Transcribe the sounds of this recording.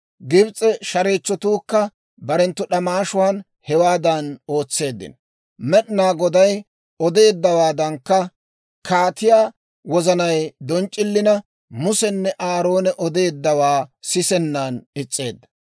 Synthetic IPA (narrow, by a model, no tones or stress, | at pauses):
ɡɪbt͡sʼɛʃɐɾeːt͡ʃːɔt̪uːkːɐ | bɐɾɛnt̪ːʊɗɐmaːʃʊwaːn | hɛwaːd̪ɐno̞ːt͡sːe̞ːd̪ːɪ̰n | mɛɗɪnaːɡɔd̪ɐj | ɔd̪e̞ːd̪ːɐwaːd̪ɐŋkːɐ | kʰaːt̪ɪjaː | wɔzɐnɐjd̪ɔnt͡ʃʼːɪlːɪnɐ | mʊsɛnːɛʔaːɾo̞ːnɛʔɔd̪e̞ːd̪ːɐwaːsɪsɛnːanɪt͡sʼːe̞ːd̪ːɐ̥